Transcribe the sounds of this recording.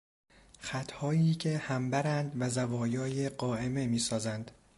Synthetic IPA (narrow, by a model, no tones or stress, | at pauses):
xæt̪ʰhɒːiːcʲʰe̞hæmbæɾænd̪væzævɒːjɒːjeɢɒːʔe̞me̞miːsɒːzænd̪̥